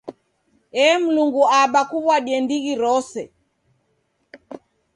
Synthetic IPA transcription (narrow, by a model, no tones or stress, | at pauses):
ɛm̩luŋɡuaɓakuβwaɗiɛndiɣiɾɔsɛ